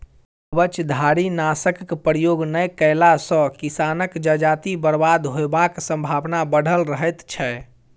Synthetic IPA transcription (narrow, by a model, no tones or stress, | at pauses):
bət͡ʃd̪ʱaɾinasəkːpɾjoɡnəjkəjlasə̃kisanəkd͡ʒəd͡ʒat̪ibəɾbad̪ɦoebaksə̃mbʱabnabəɽ̤ʱəlɾəɦɛt̪t͡ʃʰɛ